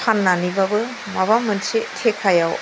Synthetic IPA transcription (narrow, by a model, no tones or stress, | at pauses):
anːanibabɯ | maβamɯnsetʰekʰajaw